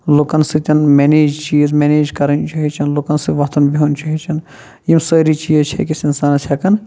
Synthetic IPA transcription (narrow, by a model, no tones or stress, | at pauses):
lokɐnsɨt̪ʲɐnmeneːd͡ʒt͡ʃiːzmeːneːd͡ʒkɐɾɐnt͡ʃɐɦit͡ʃʰɐnlokɐnsɨʋɐɦt̪ʰɐnbiɐnʲt͡ʃɐɦit͡ʃʰɐn | jimsəːɾit͡ʃiːzt͡ʃʰɐ̰kisinsaːnɐt͡ʃʰɐkɐn